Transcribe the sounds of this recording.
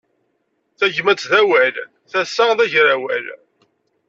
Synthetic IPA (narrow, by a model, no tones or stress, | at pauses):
θæʝmæt͡sðæwæl | θæsːaðæʝɾæwæl